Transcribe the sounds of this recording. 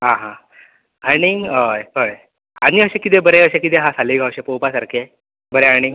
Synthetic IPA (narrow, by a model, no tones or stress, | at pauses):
ɦãɦã | aɽ̃iəjɦəj | aɽ̃iəɕẽkit̪̬ebəɾeəɕekit̪̬eɦasaliɡʱawɕepəwpasaɾkʰe | bəɾeaɽ̃i